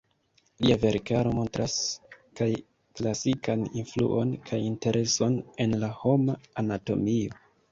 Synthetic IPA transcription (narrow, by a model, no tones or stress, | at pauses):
liave̞ɾkaɾo̞mo̞ntɾaskaj | klasikaninflṵʔo̞nkʰajinte̞ɾʔe̞so̞ne̞nlaho̞maːnato̞̰mio̞